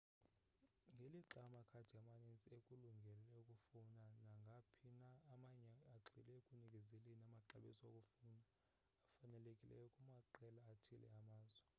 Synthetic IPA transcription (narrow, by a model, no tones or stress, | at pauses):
ŋɡʱeliǁamakʰḁd̥ʱiamanent͡sʼekʼuluŋɡʱɛlɛukʼufunanaŋɡʱapʰinaːmaɲɛaǁʰilɛukʼunikʼɛzɛlinamaǁaɓisɔokʼufunaː | fanɛlekʼilɛ̰jɔkʼumaǃɛlaːtʰilɛ̰amaːzwɛ